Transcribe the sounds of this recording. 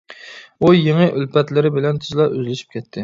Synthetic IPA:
ujɪŋɪʔylpɛt̪lɪɾɪbɪlɛnt̪ʰyzlˠɑʔøzlɪʃi̥p̚kʲʰɛt̪ʰːɪ

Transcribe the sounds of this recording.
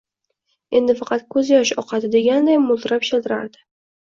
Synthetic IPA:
e̞nd̪ɪfɑqʰɑt̪kʰɵzjɒʃɒ̰qʰɑt̪ɪd̪e̞ɡʲand̪ajmʊlˠt̪ɾapʃelˠd̪ɪɾa̰ɾd̪ɪ̥

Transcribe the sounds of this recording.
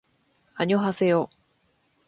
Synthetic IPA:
aɲioɦase̞joː

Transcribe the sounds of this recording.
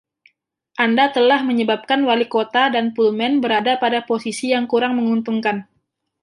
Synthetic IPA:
ʔandat̪əlahməɲəbap̚kanwalikot̪adanpulmɛnbəɾadapadaposisijaŋkuɾaŋməŋunt̪uŋkan

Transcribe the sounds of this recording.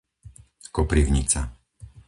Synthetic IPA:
kɔpɾiʊɲit͡sa

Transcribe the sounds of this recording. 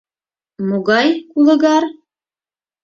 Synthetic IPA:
muɡɑjkulˠɤ̆ɣɑɾ

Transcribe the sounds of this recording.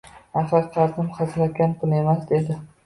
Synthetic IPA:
aχaɾqʰɑɾzɪmχɑzlat̪̚kʲanpʰʊlˠe̞masd̪e̞d̪ɪ

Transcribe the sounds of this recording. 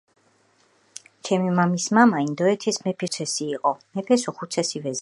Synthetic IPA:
t͡ʃʰɛmimamismamaind̪ɔɛt̪ʰɛsmɛpʰiɾt̪ʰɛsiːqʼɔmɛpʰɛsɔχut̪sʰɛsivɛz

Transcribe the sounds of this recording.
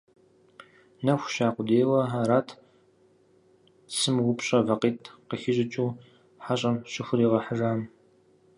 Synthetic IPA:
nɐxʷʃaːqʷʊdeːwɐɦaːɾaːtʰ | sɨmwʊpɕʼɐvɐqiːtʰqəxɪʑɪt͡ʃʼuː | ħaɕʼɐmɕɪxʷʊriːʁɐħəraːm

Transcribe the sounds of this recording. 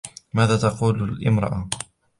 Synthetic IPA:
maːðaːt̪ɑquːllʔɪmɾˤɑ̰ʔa

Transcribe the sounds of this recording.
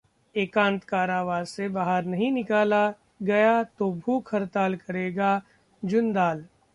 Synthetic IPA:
eːkãːnt̪kaːɾaːʋaːzsebaːɦəɾnɐɦĩnɪkaːla | ɡɐjat̪obʱuːkʰɐɾt̪aːlkɐɾeːɡa | d͡ʒʊnd̪aːl

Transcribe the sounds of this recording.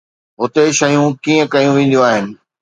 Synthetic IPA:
ɦʊt̪eʃɐjũkiːə̃kɐjũʋẽːn̆d̪jũaːɦɪnɪ̆

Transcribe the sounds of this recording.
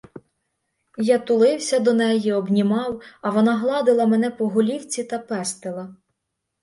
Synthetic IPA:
jɑt̪ʊlˠɪwsʲɐd̪ɔnɛjiɔbnʲimɑwɐʋɔnɑɦlˠɑd̪ɪlˠɐmɛnɛpɔɦɔlʲiwt͡sʲit̪ɐpɛst̪elˠɐ

